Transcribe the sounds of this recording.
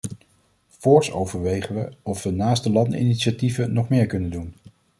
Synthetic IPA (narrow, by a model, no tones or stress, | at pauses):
fʊːɹso̰wvəɹʋejχənʋəɔfʋənaːstəlɑndəḭniʃativənɔχmɪːɹkɵnəndun